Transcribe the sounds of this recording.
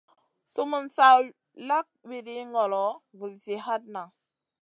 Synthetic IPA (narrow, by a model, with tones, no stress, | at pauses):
su˦mu˦nsa˦ | la˦k̚wi˨ɾi˦ŋɡɔ˨lɔ˨vu˨lsi˨ha˦t̚na˨